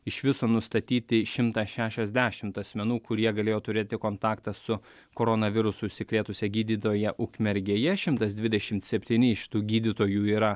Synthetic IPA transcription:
ɪʃʋʲɪsoːnʊst̪ɐt̪ʲiːt̪ʲɪʃʲɪmt̪ɐsʃʲæːʃʲɛzʲd̪ʲæːʃʲɪmt̪ɐsʲmʲɛnuːkʊɾʲiɛɡɐlʲeːjoːt̪ʊɾʲeːt̪ʲɪkoːnt̪ɑːkt̪ɐssʊ | koːɾoːnɐʋʲɪɾʊsʊsʲɪkɾʲeːt̪ʊsʲɛɡʲiːd̪ʲit̪oːjɛʔʊkmʲɛɾʲɡʲeːjɛʃʲɪmt̪ɐsd̪ʲʋʲɪd̪ʲɛʃʲɪmt̪sʲɛpʲt̪ʲiːnʲɪɪʃʲt̪uːɡʲiːd̪ʲiːt̪oːjuːiːɾɐ

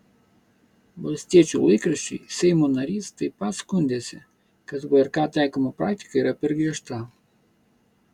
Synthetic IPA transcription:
blʲɛst̪ʲɛt͡ʃulˠoikɾəʃḭsɛjmonɐɾist̪əipaskund̪ʲɛsʲɛ | kat̪ɡoɛɾkat̪ajkəmopɾakt̪ʲi̥kəiɾapɛɾɡɛʃt̪a

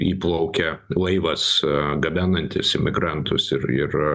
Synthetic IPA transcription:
iːplˠɐʊkʲɛlˠɐɪʋɐsɡɐbʲæːnɐnʲt̪ʲɪsɪmʲɪɡɾɑnt̪ʊsɪɾɪ̰r

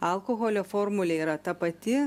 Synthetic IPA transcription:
ɐlˠkoɣoːlʲoːfoːɾmʊlʲeiːɾɐt̪ɐpɐt̪ʲɪ

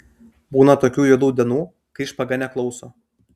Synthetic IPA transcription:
buːnɐt̪oːkʲuːjɛd̪uːd̪ʲɛnuː | kɐɪɪʃpɐɡɐnʲɛklˠɒʊsoː

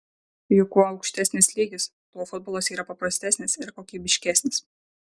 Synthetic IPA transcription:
jʊkuːɐʊkʃʲt̪ʲæsʲnʲɪslʲiːɡʲɪs | t̪oːfʊd̪̚boːlˠoːsiːɾɐpɐpɾɐsʲt̪ʲæsʲnʲɪsɪɾkoːkʲiːbʲɪʃʲkʲæsʲnʲɪs

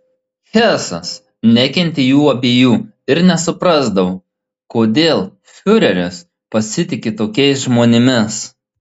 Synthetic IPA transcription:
xʲæːˑsɐs | nʲɛkʲɛnʲt̪ʲɪjuːɐbʲeːjuː | ɪɾnʲɛsʊpɾɑˑzd̪ɐʋo | koːd̪ʲeːlˠ | fʲʊɾʲɛɾʲʊs | pɐsʲɪt̪ʲɪkʲɪt̪oːkʲɛɪs̬ʒmoːnʲɪmʲɪs

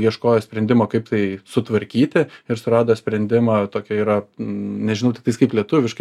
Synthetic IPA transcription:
jiɛʃkoːjosʲpʲɾʲɛnʲd̪ʲɪmoːkɐɪp̚t̪ɐɪsʊt̪ʋɐɾʲkʲiːt̪ʲɪɪɾsʊɾɑːd̪oːsʲpʲɾʲɛnʲd̪ʲɪmɑːt̪oːkʲɛiːɾɐnʲɛʒʲɪnɐʊt̪ʲɪkt̪ɐɪskɐɪplʲiɛt̪ʊʋʲɪʃk

